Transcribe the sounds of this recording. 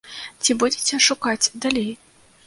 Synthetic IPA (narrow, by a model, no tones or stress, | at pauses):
t͡sʲibud͡zʲit͡sʲɛʂukat͡sʲd̪alʲej